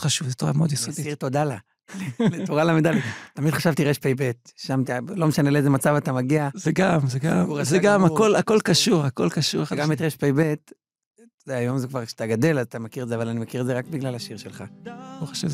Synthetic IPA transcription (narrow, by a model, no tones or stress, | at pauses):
χaʃuvzet̪oʁa̰meod̪jisoiʃiʁt̪o̞d̪ala | leletoʁalamed̪aliːamid̪χaʃavt̪iʁeʃpejbet̪̚ʃamt̪ilo̞meʃaneleezemat͡savat̪amaɡiazeɡamzeɡamezeɡamakolako̞lkaʃuʁakolkaʃṵʁaɡametʁeʃpejbet | zeajo̞mzekvaʁkʃe̥at̪aɡad̪e̞lazat̪amekiʁezeavalanimakiʁezeʁakbiɡlalaʃiʁʃelχaoχaʃuv